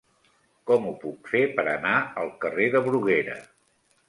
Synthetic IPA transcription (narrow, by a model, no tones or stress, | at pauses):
kɔmupukfepəɾənaəlˠkəreðəβɾuɣeɾə̰